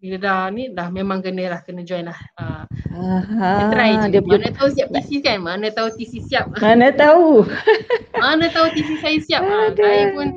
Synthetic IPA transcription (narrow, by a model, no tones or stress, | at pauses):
biladahnĩdahmemãŋkənəlahkənəd͡ʒɔjnlahə | ɾajdiaanãt̪ausiap̪̚isikanmanə̃t̪aut̪isisiap̚manət̪au | manə̃t̪aut̪is̬isajasiap̚t̪ajpun